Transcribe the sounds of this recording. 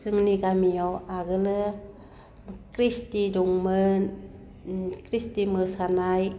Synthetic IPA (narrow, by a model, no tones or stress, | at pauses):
sɯŋniɡamijɔwaɡɯlɯ | kɾistiduŋmɯn | kɾistimɯsanaj